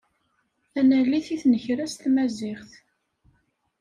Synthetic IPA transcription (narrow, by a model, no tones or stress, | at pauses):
ænæliθiθnəçɾæst̪mæzɪχθ